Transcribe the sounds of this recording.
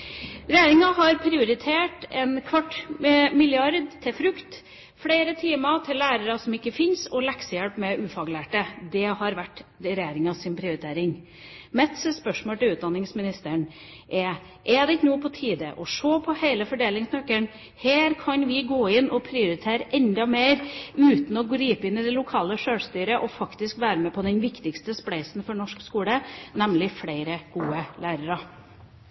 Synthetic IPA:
ɾɛjæːɾɪŋɑɦɑɾpʰɾɪʊɾɪt̪ʰeːʈɛnkʰʋɑʈːmɪljɪɑɾd̪t̪ʰːɪlfɾʉkt̪ | fɽeːɾət̪ʰiːmɑt̪ʰɪlːæːɾəɾɑsɔmɪkːəfɪnsɔlɛksəjɛlpmɛʔʉːfɑɡlæːʈəd̪ɛhɑɾʋæʈ̪ːɾɛjeːɾɪŋɑsɪnpʰɾɪʊɾɪt̪ʰeːɾɪŋ | mɛt̪səspœʂmoːlʈ̪ɪlʉːt̪̚d̪ɑnːɪŋsmɪnɪst̪əɳ | ʔɛ | ʔɛd̪ɛɪnuːpʰɔt̪ʰiːd̪əʔɔʂoːpʰɔheɪləfɔɖeːlɪŋsnœkːəɳ | heːɾkʰɑnʋɪɡoːɪnːɔpʰɾɪʊɾɪt̪ʰeːɾəʔɛnd̪ɑmeːɾʉːt̪n̩ɔɡɾiːpəɪnɪd̪ɛlʊkʰɑːləʂøːɽst̪yːɾəʔɔfɑkt̪ɪskʋæːɾəmɛpʰɔd̪ɛnʋɪkt̪ɪkst̪əspɽæɪsn̩fɔɳɔʂkskuːlənɛmlɪfɽeɪɾəɡ̥uːəlæːɾəɾɑ

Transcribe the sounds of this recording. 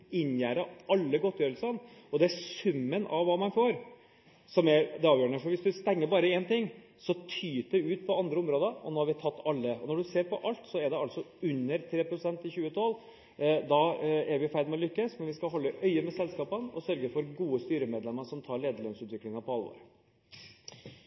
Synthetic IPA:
ɪnjæːɾəʔɑlːəɡɔt̪ːjøːɾəlsənɔd̪ɛæsʉmːənʔɑ̰ʋʋɑːmɑnfoːɾ | sɔmæɾd̪ɛɑːʋjøːɾɳəfɔɾʋɪsd̪ʉst̪ɛŋːəbɑːɾəɛnt̪ɪŋː | sɔt̪ʰyːt̪d̪ɛʉːt̪̚pʰɔɑnd̪ɾəʊmɾoːd̪əɔ̰noːhɑɾʋɪt̪ʰɑt̪ːɑlːəɔnɔɖʉseːɾpʰɔʔɑlt̪sɔɛɖɛɑlsɔʉnːəɾt̪ʰɾeːpɾʊsɛnt̪ɪçʉːət̪ʰɔlː | d̪ɑæɾʋɪfæɪd̪mɛɔlʏkːəsmɛnʋɪskɑɦɔlːəʔœʏəmɛsɛlskɑːpənɔ̰sœɾɡəfɔɾɡuːəst̪yːɾəmeːd̪lɛmːəʂɔmt̪ʰɑːɾɭeːd̪əɭøːnsʉːt̪ʋɪklɪŋɑpɔɑlʋo̰ːɾ

